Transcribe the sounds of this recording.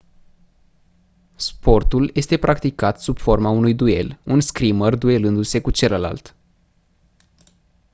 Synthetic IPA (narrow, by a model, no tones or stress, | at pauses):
spo̞rt̪uljʔe̞st̪e̞pɾʔakt̪ikat̪sub̥fo̞rmaunujd̪ue̞̰lunskɾimərd̪ue̞lɨnd̪use̞kut͡ʃe̞ləla̰lt̪